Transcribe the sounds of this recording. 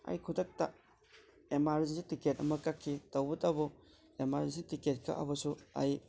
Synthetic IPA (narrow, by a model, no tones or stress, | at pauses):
a̰jkʰudɐk̚tɐ | emaɾzisitiket̚ɐ̰mɐkakʰːitɐwbɐtabɐ | emaɾzisitiket̚kʰɐ̰ʔɐ̰bɐsua̰j